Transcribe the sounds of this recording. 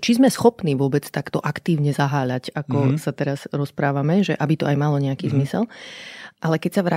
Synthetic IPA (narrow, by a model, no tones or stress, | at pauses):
t͡ʃizmɛsxɔpniːʋʊɔbɛt͡st̪akt̪ɔʔakt̪iːʊɲɛzaɦaːʎacakɔsat̪ɛɾaz̥ɾɔspɾaːʋamɛʒɛʔabit̪ɔajmalɔɲɛakiːzmisɛ̰l | ʔalɛkɛcsaʋɾa